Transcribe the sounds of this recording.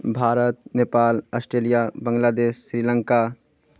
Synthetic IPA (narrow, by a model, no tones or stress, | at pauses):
bʱaːɾət̪̚neːpaːlɐːsʈɾeːlijabə̃ŋɡlaːd̪eːʃːɾiːlə̃ŋka